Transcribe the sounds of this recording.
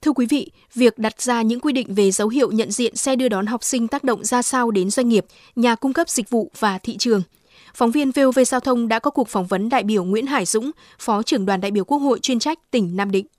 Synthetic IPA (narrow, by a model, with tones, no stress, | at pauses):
t̪ʰɨ˧əkwi˨˦vḭ˧˨ | vi˨˩ək̚ɗa˨˩t̚z̥aː˧ɲɨ̰˧˥ŋkwi˧ɗḭ˧˨ŋ̟ve˨˩zə˨˦wɦḭ˧˨əwɲə̰˧˨nzḭ˧˨ənsɛ˧ɗɨ˧əɗɔ˨˦nɦa˨˩wk͡p̚sï˧ŋ̟t̪aː˦˥k̚ɗə̰˧˨ŋ͡mzaː˧sa˧wɗe˨˦nzwa˧ŋ̟ŋi˨˩əp̚ | ɲaː˨˩kʊ˧ŋ͡mkə˦˥p̚z̥ï˨˩k̟̚vṵ˧˨vaː˨˩t̪ʰḭ˧˨t͡ɕɨ˨˩əŋ | fɔ˨˦wŋ͡mvi˧ənve˧ve˧zaː˧wt̪ʰə˧wŋ͡mɗa̰ː˧˥kɔ˨˦ku˨˩ək̚fɔ˨˦wŋ͡mvə˨˦nɗa̰ː˧˨jɓi˧˩əwŋwḭ˧˥ənɦaː˧˩jzʊ̰˧˥ŋ͡m | fɔ˨˦t͡ɕɨ˧˩əŋɗwa˨˩nɗa̰ː˧˨jɓi˧˩əwku˦˥ək̚ho̰˧˨jt͡ɕwi˧ənt͡ɕa˦˥jk̟̚t̪ï˨˩ŋ̟naː˧mɗḭ̈˧˨ŋ̟